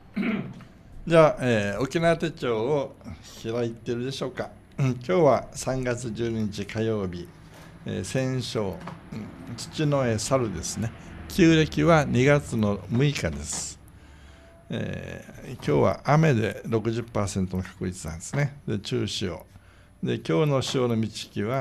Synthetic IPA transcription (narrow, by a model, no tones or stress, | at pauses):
d͡ʑaːʔeːo̞kʲinaβat̪e̞t͡ɕo̞ːoçiɾait̪ːeɾɯd̪e̞ɕo̞ːka | kʲo̞ːβasãŋɡat͡sɨʑɨːɲiɲit͡ɕikʰajo̞ːbʲi | ḛːsẽ̞ɰ̃ɕo̞ː | t͡ɕi̥t͡ɕino̞esaɾɯ̟d̪e̞sɨne̞kʲɨːɾe̞kʲiβaɲiɡat͡sɨno̞mɯ̟ikad̪e̞sɨ̥ | ḛkʲo̞ːβa̰ʔame̞d̪e̞ɾo̞kɯ̟ʑɯpːaːsẽ̞nt̪o̞nokḁkɯ̟ɾʲit͡sɨnãnd̪e̞sɨne̞d̪e̞t͡ɕɨːɕio̰ | d̪e̞kʲo̞ːno̞ɕio̞ːno̞mʲit͡ɕi̥kʲiβa